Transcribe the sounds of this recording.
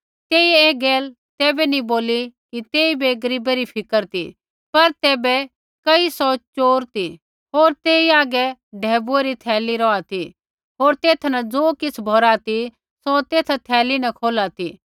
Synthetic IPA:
t̪eːieːɡeːl | t̪ɛːbɛnĩboːlikit̪eːibeɡɐɾiːbeɾipʰɪkəɾt̪ḭ | pɐɾt̪ɛːbɛ | kɐisɔt͡ʃoːɾt̪i | ɦoːɾt̪eːiaːɡɛɖʱɛːbueɾit̪ʰɛːliɾɔːat̪ʰi | ɦoːɾt̪eːt̪ʰnɐd͡zoːkɪt͡sʰbʱɔɾat̪i | sot̪eːt̪ʰt̪ʰɛːlinɐkʰoːlat̪iː

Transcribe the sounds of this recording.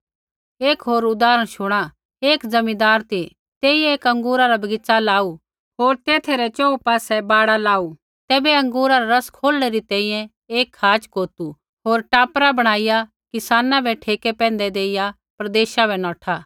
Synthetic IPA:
eːkɦoːɾʊd̪aːɾəɽ̃ʃʊɽ̃a | eːkd͡zɐmĩd̪aːɾt̪ʰi | t̪eːijɛ̃eːkɐ̃ŋɡuːɾaɾabɐɡɪt͡salaːu | ɦoːɾt̪eːt̪ʰeɾɛt͡ʃɔːupaːsɛbaːɽalaːu | t̪ɛːbɛɐ̃ŋɡuːɾaɾaɾɐskʰoːlɽeɾit̪ɛ̃ːĩjɛ̃ | eːkhaːt͡ʃkoːt̪u | ɦoːɾʈaːpɾabɐɽ̃aːɪja | kɪsaːnãbʱɛʈʰeːkɛpɛ̃ːnd̪ɛd̪eːɪja | pɾɐd̪eːʃabɛnɔ̃ːʈʰaː

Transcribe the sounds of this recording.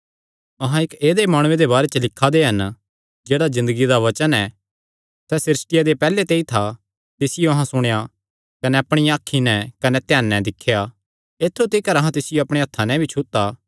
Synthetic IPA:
ɐɦãɪkeːd̪emaːɽ̃ʊ̃ẽd̪ebaːɾet͡ʃəlɪkʰːad̪eɦɐn | d͡ʒeːɽazɪ̃nd̪əɡid̪aʋɐt͡ʃənɛ | sɛsɪɾɪsʈɪjad̪epɛːlet̪eːit̪ʰa | t̪ɪsɪjoɐɦãsʊɽ̃eja | kɐnɛɐpɽ̃ijãːkʰːinɛ̃kɐnɛt̪jaːnːɛ̃d̪ɪkʰːeja | eːt̪ʰːot̪ikɐɾɐɦãt̪ɪsɪjoɐpɽ̃eɐt̪ʰːanɛ̃bʱit͡ʃʰʊt̪ːaː

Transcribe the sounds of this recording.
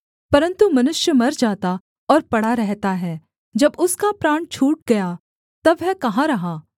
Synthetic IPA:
pɐɾə̃nt̪umɐnʊʃjəmɐɾd͡ʒaːt̪a | ɔːɾpɐɽaɾɛɦt̪aɦɛː | d͡ʒɐbʊskapɾaːɳt͡ʃʰuːʈ̚ɡɐja | t̪ɐbɦɛkɐɦãɾɐɦãː

